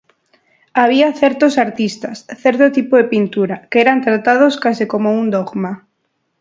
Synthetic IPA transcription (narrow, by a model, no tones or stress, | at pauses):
aβ̞iaθɛɾt̪osaɾt̪ist̪asθeɾt̪ot̪ipoðepint̪uɾakeeɾant̪ɾat̪að̞oskasikomound̪oɣma